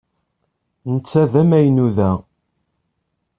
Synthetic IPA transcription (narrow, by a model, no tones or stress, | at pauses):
nət͡sːæðæmæjənuðæ